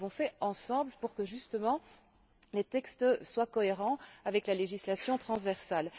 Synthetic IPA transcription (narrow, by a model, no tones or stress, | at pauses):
vɔ̃fɛɑ̃sɑ̃bləpuʁkəʒyst̪əmɑ̃ | let̪ɛkst̪əswakɔeʁɑ̃avɛklaleʒislasjɔ̃t̪χɑ̃zvɛʁsal